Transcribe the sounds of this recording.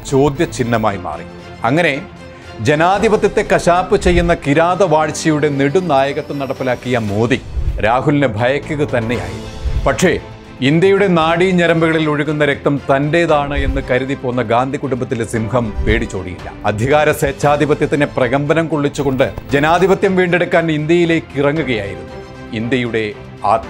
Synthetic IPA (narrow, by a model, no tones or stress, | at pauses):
t͡ɕo̞ːd̪jɐt͡ɕinːɐma̰ːjima̰ːrḭ | ɐŋːɐne̞ | d͡ʑe̞naːd̪ʱibɐt̪jɐt̪ːe̞kɐɕaːpːɨt͡ɕe̞jːunːɐkiɾaːðɐʋaːɻt͡ɕːɐjuɽe̞niɽunaːjɐɣɐt̪ːenɐɽɐpːilaːkːijɐmoːðiɾaːɦulnɨbʱɐjɐkʲːuɣɐt̪ɐnːe̞ja̰ːjiunːupɐʈʂe̞ | ind̪jɐjuɽe̞naːɽiɲɐɾɐmbɐɣɐɭiloɻiɣunːɐɾek̚t̪ɐmt̪ɐndeːðaːɳɨe̞nːɨkɐɾuðipoːnːɐɡaːnd̪ʱikuɽumbɐt̪ːilsimhɐmpe̞ːɽit͡ɕːo̞ːɽḭjḭlːɐ̰ɐd̪ʱjɐɣaːɾɐseːt͡ɕːaːd̪ʱibɐt̪jɐt̪ːineprɐɣɐmbɐnɐmkoɭːit͡ɕːuɣo̞ɳɖɨd͡ʑe̞naːd̪ʱibɐt̪jɐmʋiːɳɖe̞ɽukːaːnind̪jɐjile̞ːkːirɐŋːuɣɐja̰ːjiɾunːu | ind̪jɐjuɽe̞ | a̰ːt̪